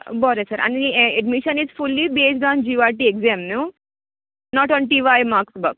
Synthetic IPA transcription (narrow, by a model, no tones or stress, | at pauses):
bɔːɾesaɾɐ̰niɐɖmiʃɐnisfulːibeːs̬ɖãːnd͡ʒiːʋaːʈiɛkzeːmnu | nɔːʈɔ̃ːnʈiʋaːjmaːksbɐk̚